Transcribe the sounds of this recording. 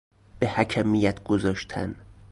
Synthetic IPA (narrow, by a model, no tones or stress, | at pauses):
b̥ehæcʰæmijæt̪ʰɡ̥ozɒːʃt̪ʰæ̰n